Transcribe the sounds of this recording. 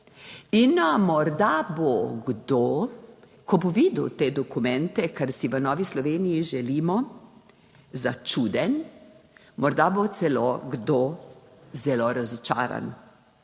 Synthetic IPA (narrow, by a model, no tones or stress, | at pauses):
inmɔɾd̪aboɡd̪o | kʰɔboʋiːd̪wt̪eːd̪ɔkumɛnt̪ɛkaɾsiʋənɔːʋislɔʋeːnijiʒɛliːmɔ | zat͡ʃuːd̪ɛn | mɔɾd̪abot̪sɛloɡd̪o | zɛloɾazɔt͡ʃa̰ːɾa̰n